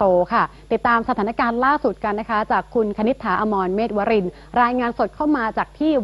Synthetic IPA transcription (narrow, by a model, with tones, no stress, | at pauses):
oː˧kʰa˥˩t̪i˨˩t̪ːaː˧msa˧aː˩˦na˦˥kaː˧nlaː˥˩su˨˩t̪̚ka˧nːa˦˥kʰa˦˥t͡ɕaː˨˩kʰːu˧nkʰa˧ni˦˥t̪ʰːaː˩˦ʔaː˧mɔː˧nmeː˥˩t̪̚waː˧˦˥ɾi˧n | ɾaː˧jŋaː˧nso˨˩t̪̚kʰaː˥˩wmaː˧t͡ɕaː˨˩k̚t̪ʰiː˥˩